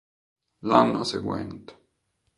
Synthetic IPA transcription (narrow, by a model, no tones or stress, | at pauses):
lanːaseɡwɛ̰nt̪e̥